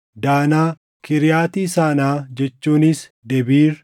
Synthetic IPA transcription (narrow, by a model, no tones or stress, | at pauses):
d̪aːnaː | kʰɪɾɪjaːt̪iːsaːnaːd͡ʒɛt͡ʃːuːnɪs | d̪ɛbiːr